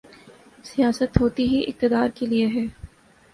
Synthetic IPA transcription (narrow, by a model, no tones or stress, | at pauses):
sijaːsət̪ɦoːt̪iɦiʔɪ̰q̚t̪ɪd̪aːɾkelieɦɛː